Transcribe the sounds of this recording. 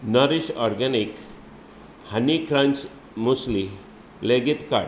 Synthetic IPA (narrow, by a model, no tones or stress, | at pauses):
nəɾiɕɔɾɡɛnik | hənikɾãnt͡s | musli | leɡit̪ka̰ɽ